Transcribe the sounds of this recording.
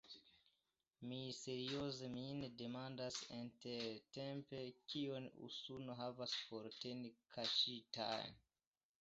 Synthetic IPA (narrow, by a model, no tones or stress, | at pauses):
mise̞ɾio̞ze̞minede̞mandasinteɾte̞mpe̞kʰionṵsunoɦavaspo̞ɾtenikʰaʃita̰jn